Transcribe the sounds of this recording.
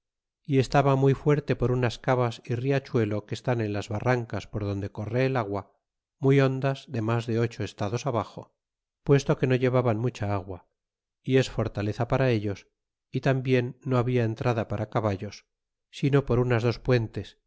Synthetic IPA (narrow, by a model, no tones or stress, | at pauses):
ie̞st̪aβamujfwe̞ɾt̪e̞po̞ɾunaskaβasiriat͡ʃwe̞lo̞ke̞st̪ane̞nlazβaraŋkaspo̞ɾð̞o̞nd̪e̞ko̞re̞ːlaɣwa | mujo̞nd̪azðe̞mazðe̞o̞t͡ʃo̞e̞st̪aðo̞saβaxo̞̰ | pwe̞st̪o̞ke̞no̞ʎe̞βaβanmut͡ʃaaɣwa | ie̞sfo̞ɾt̪ale̞θapaɾae̞ʎo̞s | it̪ambje̞nːo̞aβiae̞nt̪ɾaðapaɾʔakaβaʎo̞sː | ino̞po̞ɾunazðo̞spwe̞nt̪e̞s